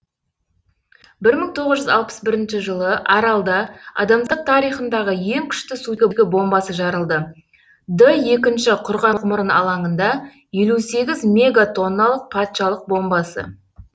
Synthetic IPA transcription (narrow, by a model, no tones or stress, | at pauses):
bɪɾməŋt̪ʰo̞ʁəzʒʏzɑlˠpə̥sbɪɾɪnʃɪʒəlˠəʔɑɾɑlˠd̪ɑɑ̰d̪ɑmd̪əq̚t̪ʰɑɾijχənd̪ɑʁəje̞ŋkʲʰʏ̥ʃt̪ɪsuɡʲɪɡʲɪbo̞mbɑsəʒɑɾəlˠd̪ə | d̪əje̞kʲɪnʃɪqʰʊɾʁɑqmʊɾənɑ̰lˠɑɴənd̪ɑ | je̞luse̞ɡʲɪzmʲe̞ɡat̪ʰo̞nːɑlˠəq̚pʰɑt̪ʃɑlˠəq̚bo̞mbɑsə̰